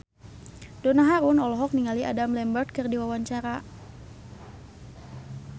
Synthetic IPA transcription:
dɔnaɦaɾunɔlɔɦɔk̚niŋaliʔa̰damlɛmbərt̪̚kɨrdiwawaɲt͡ʃaɾa

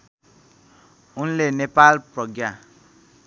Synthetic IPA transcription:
unlenepalprʌɡja

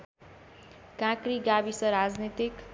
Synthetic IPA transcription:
kãkɾiɡabisʌɾad͡znit̪ik

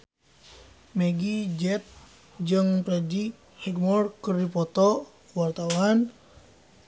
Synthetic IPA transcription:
mɛɡid͡ʒɛt̪̚ | d͡ʒɨŋpɾɛd͡ʒi | hiɡmɔrkɨrdipɔt̪ɔ | wart̪awan

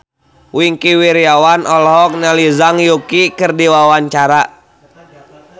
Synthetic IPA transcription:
wiŋkiwiɾiawanʔɔlɦɔk̚nalizaŋjukikɨrdiwawaɲt͡ʃaɾa

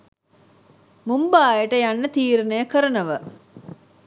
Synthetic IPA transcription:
mumbaːjəʈəjanːət̪iːɾnəjəkəɾənəʋə

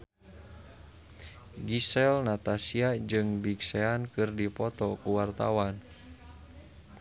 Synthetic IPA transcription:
ɡisɛlnat̪asiad͡ʒɨŋbiksɛankɨrdipɔt̪ɔkuwart̪a̰wan

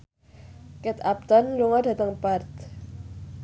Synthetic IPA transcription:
kɛt̪ap̚t̪ɔnluŋɔda̤t̪əŋpart̪

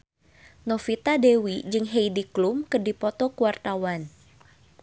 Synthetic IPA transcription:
nɔfit̪adewid͡ʒɨŋɦejdiklumkɨrdipɔt̪ɔkuwart̪awan

